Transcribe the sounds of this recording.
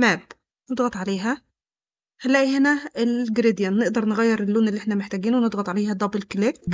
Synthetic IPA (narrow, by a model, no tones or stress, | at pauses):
mæːb | ned̪ɣɑt̪ˤʕaleːɦæ | hælːæːʔihenæelɡɾid̪jænːeʔd̪ɑɾˤneɣæjːeɾelːuːnelːiʔeħnæmeħt̪æɡiːnwened̪ɣɑt̪ˤʕaleːhæd̪ˤɑbelklek̚